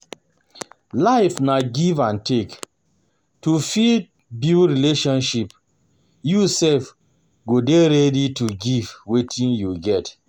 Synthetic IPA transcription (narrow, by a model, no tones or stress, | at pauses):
laɪfnaɡivãntʰek | tufid̚ | buɹileʃɔ̃nʃip | jusɛlf | ɡodeɹɛdituɡivwetʰĩnjuɡɛt